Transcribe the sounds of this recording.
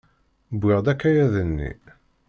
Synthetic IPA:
bɪʁd̪ækːæjæðənːḭ

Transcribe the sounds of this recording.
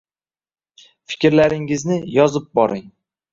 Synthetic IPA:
fɪ̥kʲɾlaɾɪŋɪznɪjɒzɪp̚bɒɾʔɪŋ

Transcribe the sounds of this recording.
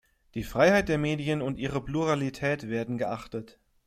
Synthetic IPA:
d̥iːfʁ̥aɪhaɪt̚d̥eːɐmeːdijənʊntʔiːʁəpluʁalitʰɛːtv̥eːɐdn̩ɡəʔaχtət

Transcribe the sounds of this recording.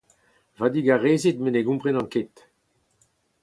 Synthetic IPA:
vad̪iɡaʁeːzit̪meneɡũmpʁenɑ̃ŋket̪

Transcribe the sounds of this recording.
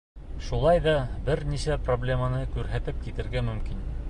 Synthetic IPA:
ʃulˠɑjðɑbɘɾniʃæproblʲe̞mɑnɤkʉɾɦæt̪ɘp̚kit̪ɘ̆ɾɡæmɵ̆mkin

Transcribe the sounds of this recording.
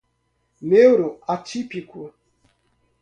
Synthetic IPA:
neuɾoatipiku

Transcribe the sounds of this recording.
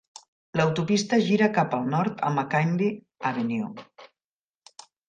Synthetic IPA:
ləwt̪upist̪əʒiɾəkapəlˠnɔɾt̪ə̰məkand̪i | aβenjo

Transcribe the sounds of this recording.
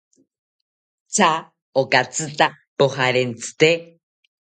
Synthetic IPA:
t͡sʰa | okat͡sɨt̪a | pohaɾent͡sʰɨ̥t̪e

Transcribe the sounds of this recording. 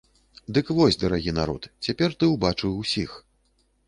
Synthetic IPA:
d̪ɨkvɔsʲd̪ɐɾaɣʲinaɾɔ̰t̪t͡sʲapʲɛrt̪ɨwbat͡ʂɨwwsʲix

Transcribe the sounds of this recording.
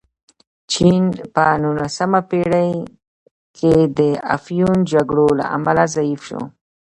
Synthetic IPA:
t͡ʃinpənulasamapeɽaj | kʰed̪əa̰fjund͡ʒaɡɽola̰ʔa̰malazaifʃo̰

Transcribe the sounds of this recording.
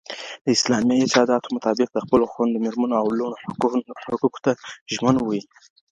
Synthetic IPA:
d̪̥əɪslɑmjiɪt̪ɑd̪ɑt̪o̥mʊt̪ɑbɪq̚d̪əxpəloxwand̪əmeɾmənoawlono | ʊkuko̥t̪aʒmənwi

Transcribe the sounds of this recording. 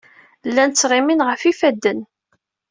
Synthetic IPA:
lːænt͡sːʁiminʁəfifæd̪ːən

